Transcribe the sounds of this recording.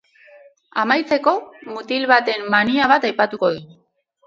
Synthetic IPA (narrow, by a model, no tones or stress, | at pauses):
amajt͡se̞ko̞mut̪ilβat̪e̞mːaniaβ̞at̪ajpat̪uko̞ði